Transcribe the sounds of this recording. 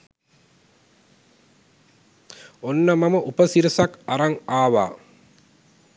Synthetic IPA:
onːɐmɐməʔupəsiɾəsɐkɐɾɐŋaːʋa̰ː

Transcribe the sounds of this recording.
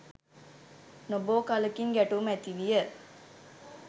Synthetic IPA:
noboːkaləkiŋɡæʈumæt̪iʋijə

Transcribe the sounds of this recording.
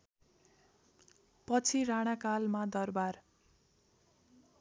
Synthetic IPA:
pʌt͡sʰiɾaɽ̃akalmad̪ʌrbar

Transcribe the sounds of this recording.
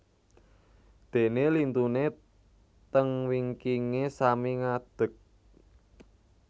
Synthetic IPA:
d̪̥e̤nelint̪une | t̪əŋwiŋkiŋesamiŋad̪̥ə̤k̚

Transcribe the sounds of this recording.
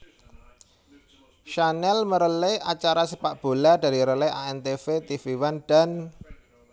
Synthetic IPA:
ʃanɛlməɾəleat͡ʃaɾasəpaʔb̥o̤lada̤ɾiɾəleʔaɛnt̪efet̪ifiwand̥a̤n

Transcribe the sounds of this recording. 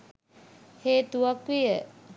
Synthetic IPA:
heːt̪uakʋijə

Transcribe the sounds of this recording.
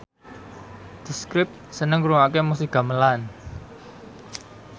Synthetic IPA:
d̪̥i̤skɾɪp̚t̪̚sənəŋɾuŋakemus̬iɡ̥a̤məlan

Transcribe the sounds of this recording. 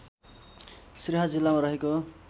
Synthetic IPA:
sriɦʌd͡zilːamaɾʌɦeko

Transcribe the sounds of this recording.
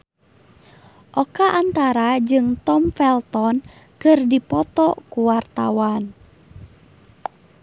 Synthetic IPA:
ʔɔkaʔant̪aɾad͡ʒɨŋt̪ɔmfɛlt̪ɔn | kɨrdipɔt̪ɔkuwart̪awan

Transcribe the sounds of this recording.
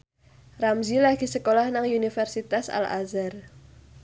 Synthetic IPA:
ramzilaɡ̥i̤səkolahnaŋunifɛrsit̪asa̰la̰zar

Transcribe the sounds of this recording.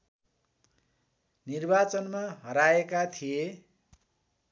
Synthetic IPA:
nirbat͡sʌnmaɦʌɾaekat̪ʰije

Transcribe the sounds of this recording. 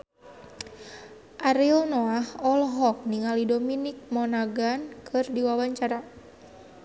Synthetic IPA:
ʔaɾilnɔahɔlɦɔk̚niŋalidominik̚mɔnaɡankʰɨrdiwawaɲt͡ʃaɾa

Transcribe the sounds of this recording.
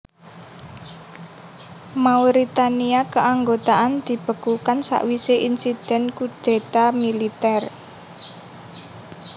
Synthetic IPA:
mauɾit̪aniakəaŋɡot̪aʔand̪̥i̤b̥ə̤kukansa̰ʔwiseʔinsid̪̥ɛ̤nkud̪̥e̤t̪amilit̪ɛr

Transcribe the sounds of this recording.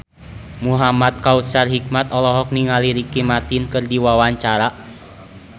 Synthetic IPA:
muɦamat̪̚kaut̪sarɦik̚mat̪ɔlɔɦɔk̚niŋaliɾikimart̪inkɨrdiwawaɲt͡ʃaɾa

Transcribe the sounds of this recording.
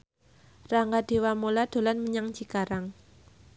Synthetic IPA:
raŋɡad̥e̤wamolad̪̥o̤lanməɲaŋt͡ʃikaɾaŋ

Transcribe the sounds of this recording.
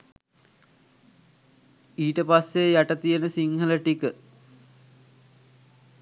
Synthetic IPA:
iːʈəpasːejaʈət̪ijenəsiŋhələʈikə

